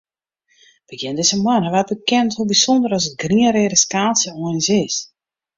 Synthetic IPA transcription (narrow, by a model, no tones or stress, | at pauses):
ʋəkjɪndɪsəmwanəʋat̚bəkɛnthubisondərɔs̬ət̚ɡriəɾeːɾəskaːlˠsjəoənsɪs